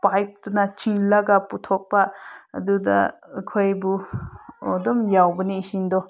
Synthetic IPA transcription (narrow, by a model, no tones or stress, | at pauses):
pajk̚tunat͡ʃiŋlɐɡaputʰok̚pa̰ːdudɐ̰ːkʰojbu | ɔdɔmjawbɐniːsindɔ